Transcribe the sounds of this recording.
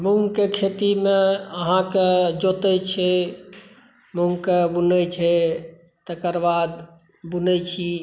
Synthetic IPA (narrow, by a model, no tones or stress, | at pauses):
muŋɡkekʰet̪imeəɦãked͡ʒot̪ɛt͡ʃʰɛ | muŋɡkebunət͡ʃʰɛ | t̪əkəɾbad̪ | bunɛt͡ʃʰi